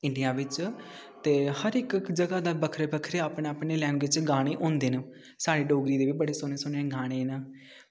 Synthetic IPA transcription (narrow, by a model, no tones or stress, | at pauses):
ɪɳɖijaːʋɪt͡ʃ | t̪eːhəɾɪkd͡ʒəɡaːd̪aːbəkʰɾeːbəkʰɾeːaːpneaːpneːlɛːnʋɪt͡ʃɡaːɽ̃eːʔõːnd̪eːn | saːɽiːɖoːɡɾiːd̪eːʋibəɽeːsʊneːsʊneːɡaːɽ̃eːnə